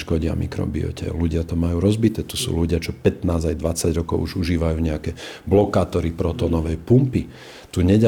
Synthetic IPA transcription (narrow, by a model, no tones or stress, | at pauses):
ʃkɔɟɪa̰mʔḭkɾɔ̰bḭɔ̰cɛ̰luɟɪat̪ɔmajuːɾɔzbit̪ɛːt̪usṵːluɟɪat͡ʃɔpɛt̪naːzajd̪ʋat͡saɟɾɔkɔʊuʒuʒiːʋajuːɲɛakɛblɔkaːt̪ɔɾipɾɔt̪ɔːnɔʋɛjpumpi | t̪uɲɛɟa